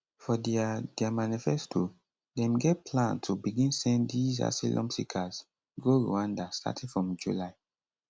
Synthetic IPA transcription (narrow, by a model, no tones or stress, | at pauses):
fɔdiadɛamanifɛstʰo | dɛ̃mɡɛt̚pʰlãntʰubiɡĩnsɛ̃ndiza̰silʔɔ̰̃msikʰaz | ɡoɹṵãndastʰa̰tʰɛfɹɔ̃md͡ʒulaɪ